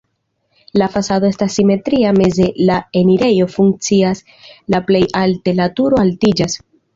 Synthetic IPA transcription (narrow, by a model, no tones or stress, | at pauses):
lafasadoe̞stasːime̞tɾiame̞ze̞lae̞niɾe̞jo̞fuŋk̚t͡sias | laple̞jalte̞latuɾo̞altid͡ʒas